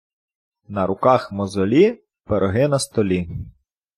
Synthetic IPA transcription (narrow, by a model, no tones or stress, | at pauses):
nɐɾʊkɑxmɔzɔlʲi | b̥eɾʔɔɦɪnɐst̪ɔlʲi